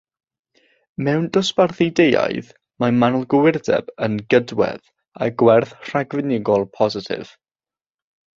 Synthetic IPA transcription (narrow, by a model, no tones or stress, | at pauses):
mɛwnd̥ɔsparθejdeja̰jð | mamanʊlˠɡəwɪrdɛ̰b̥ənɡədwɛ̰ð | a̰ɡwɛrθr̥aɡvɪnɪɡɔlˠpʰɔzɪtʰɪ̰v̥